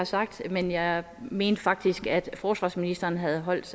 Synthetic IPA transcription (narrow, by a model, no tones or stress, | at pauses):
ɑsɑ̈ɡ̥̚d̥menjɑ̈ɪ | me̝̰ːnd̥əfɑ̈ɡ̥̚d̥isɡ̥æd̥fɒːsʋɑ̰ːsminisd̥ɐːnɦæð̞̩ˠɦɒ̽l̰d̥s